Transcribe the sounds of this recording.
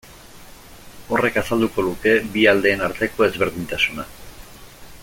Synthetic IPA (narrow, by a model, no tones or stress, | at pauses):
o̞re̞kasald̪uko̞ðuke̞biald̪e̞ːnaɾt̪e̞ko̞e̞zβe̞ɾðiɲt̪asuna